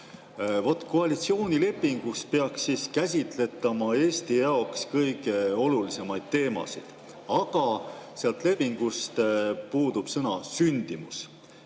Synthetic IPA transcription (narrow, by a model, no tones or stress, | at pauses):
vo̞t̪ːˑko̞ɑlit̪sio̞ːnʲile̞pːˑiŋɡ̥uspe̞ɑksːiːskæs̬ʲit̪ˑle̞t̪ːˑɑmɑe̞ːst̪ijɑo̞kskɤjɡ̥e̞o̞lulise̞mɑjd̪̥̚t̪e̞ːmɑ̰sḭd̪̥ | ɑɡ̥ɑseɑlt̪le̞pːiŋɡ̥ust̪puːd̪̥ub̥sɤnɑsynʲd̪̥imus